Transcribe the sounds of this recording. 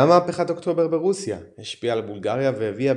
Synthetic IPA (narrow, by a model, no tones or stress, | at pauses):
amaːpeχato̞kt̪o̞be̞ʁbeʁusjaheʃpiaːlbulɡaʁjavehevia